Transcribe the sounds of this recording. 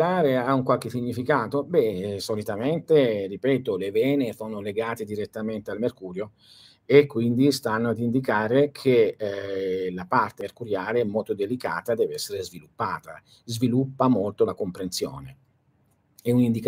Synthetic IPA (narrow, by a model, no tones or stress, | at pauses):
aːɾeauŋkwalk̟esiɲːifikaːt̪obɛsolit̪ament̪eripɛːt̪olevɛːnefoːnoleɡaːt̪ed̪iɾet̪ːament̪ealmerkuːɾjo | ekːwind̪ist̪anːoad̪ind̪ikaːɾekʰe | lapart̪erkuɾjaːleɛmːolt̪od̪elika̰ːt̪ad̪ɛːveɛsːeɾezvilupːaːt̪a | zvilupːamolt̪olakompɾensjo̰ːne | ɛunind̪ik